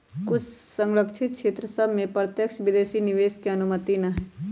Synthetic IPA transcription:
kʊt͡ʃʰsə̃ŋɾəkʃʰɪt̪̚kʰʃeːt̪ɾəsɐbʱmẽpɾət̪jəkʃʋɪd̪eːʃinɪʋeːʃkeɐnʊmət̪inɐɦɛː

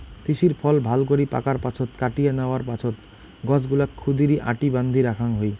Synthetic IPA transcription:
t̪iʃiɾpʰɔlbʱalkoɾipa̰kaɾpat͡ɕʰot̪kaʈijenaoaɾpat͡ɕʰot̪ | ɡɔd͡ʑɡulakʰːud̪iɾiʔa̰ʈiband̪ʱiɾakʰaŋɦoj

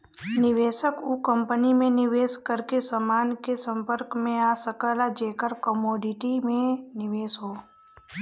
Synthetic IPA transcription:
nɪʋeʃəkukəmpənimẽnɪʋeskəɾkesəmankesə̃mpəɾkmẽasəkəlad͡ʒekəɾkəmoɖiʈimẽnɪʋesɦo

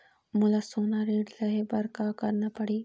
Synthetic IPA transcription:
mʊlasoːnaɾeːɖlɐɦebɐɾkakɐɾnapɐɽiː

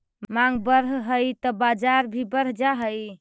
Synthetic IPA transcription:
maŋɡbəɾɦɦəjt̪ɔbad͡ʒaɾbʱibəɾɦd͡ʒaɦəj

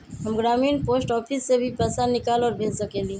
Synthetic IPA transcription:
ɦəmɡɾaːmiːnpoːsʈɔːpʰisːebʱipəsanɪkaːlɔːɾbʱeːd͡ʒsəkeːlĩ

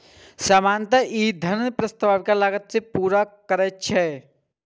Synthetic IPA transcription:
samaːnt̪aʔid̪ʱənpɾəst̪əʋaːʋkalaːɡət̪sepuːɾakəɾɛt͡ʃʰɛ

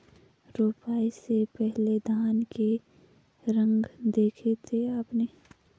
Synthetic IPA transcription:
ɾoːpaːisepɛɦled̪ʱaːnke | ɾə̃ŋɡd̪eːkʰet̪ʰeaːpneː

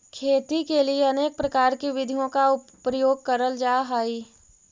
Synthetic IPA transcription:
kʰeːt̪ikelieɐneːk̚pɾɐkaːɾkiʋɪd̪ʱijõkaʊpɾəjoːɡ̚kɐɾəld͡ʒaːɦaːi

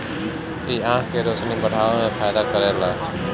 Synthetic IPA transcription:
iːaːãkʰeːɾoːsnĩːbəɽ̤ʱaːʋomẽːpʰaːd̪aːkəɾeːlaː

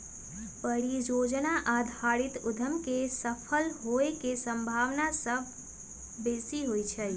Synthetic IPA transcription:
pəɾid͡ʒod͡ʒnaʔad̪ʱaɾit̪ud̪ʱəmkesəpʰəlɦoekesəmbʱaʋnasəb̚ʱ | besiɦojt͡ʃʰəj

